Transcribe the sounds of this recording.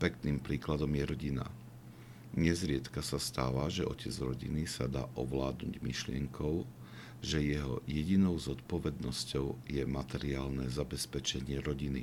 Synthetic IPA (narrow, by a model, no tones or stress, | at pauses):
pɛk̚t̪nimpɾiːklad̪ɔmjɛɾɔɟina̰ | ɲɛzɾɪɛt̪kasast̪a̰ːʋaʒɛʔɔcɛd͡zɾɔɟinisad̪a̰ːʔɔʋlaːd̪nṵɟmiʃlɪɛŋkʰɔʊ | ʒɛjɛɦɔ̰jɛɟinɔʊzɔt̪̚pɔʋɛd̪nɔscɔʊjɛmat̪ɛɾiaːlnɛzabɛspɛt͡ʃɛɲɪɛɾɔɟinḭ